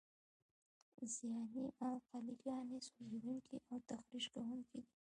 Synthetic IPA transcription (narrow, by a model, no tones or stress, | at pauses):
zijɑniʔawqaliɾjɑnesozed̪uŋkʰiʔawt̪axɾiʒkawuŋkid̪i